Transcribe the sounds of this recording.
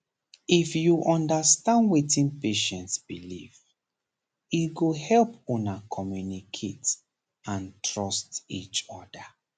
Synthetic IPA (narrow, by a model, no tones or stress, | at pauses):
ifjuʔɔ̃ndastãndwetĩnpeʃɛ̃ntsbilḭv | iɡohɛlpõnakʰɔmjunikʰet | ãntʰɹɔstḭt͡ʃɔda